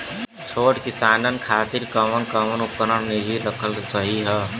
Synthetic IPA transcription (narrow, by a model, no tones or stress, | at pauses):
t͡ʃʰoːʈkɪsaːnənkʰaːt̪iɾkəmənkəmənupəɾəɽneɦiɾəkʰəlsəɦiɦɛː